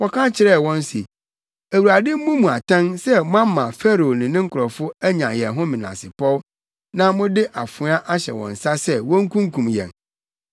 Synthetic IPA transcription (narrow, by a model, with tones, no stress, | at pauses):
wɔ˦kʰã˦t͡ɕʰɪ˨ɾɛ˦˨wɔ̃˦n˦si˨ | æ˨wu˨ɾa˨dɪ˦m̩˦mũ˦mũ˨a˨tʰã˦nsɛ˦mʊ̃˦ã˦m˦mã˨fɛ˦ɾo˨nɪ̃˨nɪ̃˦ŋ̩˦kʰʊ˨ɾɔ˨fʊ˦æ˦ɲã̰˨jɛ˨ɦʊ̃˦mĩ˨nã̰˨sɪ˨pʰɔ˦w | nã˦mʊ̃˦dɪ˦ʔa˨fʊ˨˦a˦ʔa˦ɕɛ̰˨wɔ̰̃˨n̩˨sa˦sɛ˦wɔ̃˦ŋ̩˦kʰũ˦ŋ˦kʰũ˨mjɛ̰̃˨n